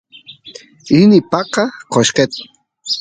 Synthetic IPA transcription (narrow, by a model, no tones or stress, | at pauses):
inipaqɑqoʃqet̪